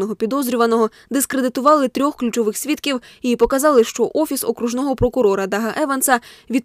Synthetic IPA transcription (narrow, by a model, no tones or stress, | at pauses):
nɔɦɔpʲid̪ɔzɾʲʊʋɐnɔɦɔ | d̪ɪskɾed̪ɪt̪ʊʋɑlˠɪt̪ɾʲɔxklʲut͡ʃɔʋɪxsʲʋʲit̪kʲiwipɔkɐzɑlˠɪʃt͡ʃɔʔɔfʲisɔ̰kɾuʒnɔɦɔpɾɔkʊɾɔɾɐd̪ɐɦɐʔɛʋɐnsɐʋʲid̪